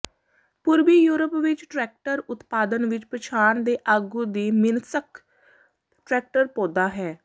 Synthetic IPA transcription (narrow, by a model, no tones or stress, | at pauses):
pʊɾbiːjuːɾəpʋɪt͡ʃʈɾɛːk̚ʈəɾʊt̪paːd̪ənʋɪt͡ʃpɾət͡ʃʰaːnd̪eːʔaːɡũːd̪iːmɪnsək | ʈɾɛːk̚ʈəɾpõːd̪aːɦɛː